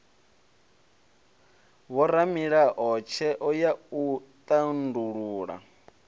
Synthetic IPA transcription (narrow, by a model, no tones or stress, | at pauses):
wɔɾamiɺaʔɔt͡ʃʰɛʔɔjaut̪ʼanduɺuːɺa̰